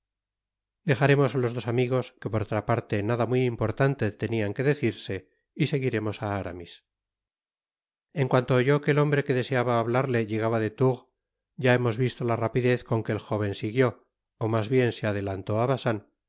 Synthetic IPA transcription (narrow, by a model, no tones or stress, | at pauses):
d̪e̞xaɾe̞mo̞salo̞zðo̞samiɣ̞o̞ske̞po̞ɾot̪ɾapaɾt̪e̞naðamwiimpo̞ɾt̪ant̪e̞t̪e̞niaŋke̞ðe̞θiɾse̞ | ise̞ɣiɾe̞mo̞saaɾa̰mis | e̞ŋkwant̪oːʝo̞keːlo̞mbɾe̞ke̞ðese̞aβaːβlaɾle̞ʝe̞ɣ̞aβaðe̞t̪uɣ | ɟ͡ʝae̞mo̞zβist̪o̞larapiðe̞θko̞ŋke̞ːlxo̞β̞e̞nsiɣjo̞ː | mazβje̞nseað̞e̞lant̪o̞aβasan